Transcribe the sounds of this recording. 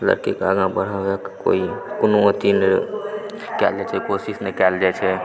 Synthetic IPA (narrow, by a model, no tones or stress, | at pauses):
lə̰ɾkikaɡãbəɾaʋekko̰ikunoot̪ine | kɛld͡ʒat͡ʃʰɛkosisnekɛld͡ʒat͡ʃʰɛ